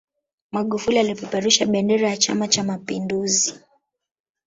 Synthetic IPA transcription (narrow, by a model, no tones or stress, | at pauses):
maɠufulialipɔpɛɾuʃaɓɛndɛɾajat͡ʃa̰mat͡ʃamapinduzi